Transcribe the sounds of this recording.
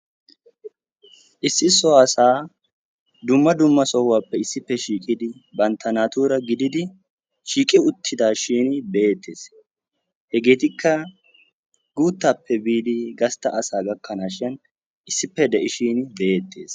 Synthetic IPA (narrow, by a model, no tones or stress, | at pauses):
ʔɪsːɪsɔɐsaː | d̪ʊmːɐd̪ʊmːɐsɔwaːpːɛɪsːɪpːɛʃiːkʼɪd̪ɪbɐnt̪ʰːɐnaːt̪uːɾɐɡɪd̪ɪd̪ɪ | ʃiːkʼɪʊt̪ʰːɪd̪aːʃiːnbe̞ːt̪ʰːe̞ːs | hɛɡe̞ːt̪ɪkʰːɐ | ɡuːt̪ːaːpːɛbiːd̪ɪɡɐst̪ːɐʔɐsaːɡɐkːɐnaːʃɪɐn | ʔɪsːɪpːɛd̪ɛʔɪʃiːnbeeːt̪ʰːe̞̰ːs